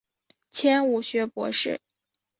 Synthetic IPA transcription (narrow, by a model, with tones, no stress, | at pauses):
t͡ɕʰjɛ˥nu˨˩ɕɥɛ˧˥pwɔ̰˧˥ʂɻ̩̰˥˩